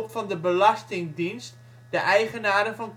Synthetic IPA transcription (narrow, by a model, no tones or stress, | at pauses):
pfɔndəbəlɑstɪŋdinst | dəʔɛjχənaːdəfɔnk